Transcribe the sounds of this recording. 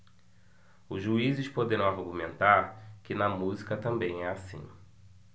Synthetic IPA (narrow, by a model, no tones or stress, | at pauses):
ʊzʒuizɪspod̪eɾɐ̃w̃aɾɡumẽnt̪aɾkɪnɐmuzikɐt̪ɐ̃mbẽj̃ɛasḭ̃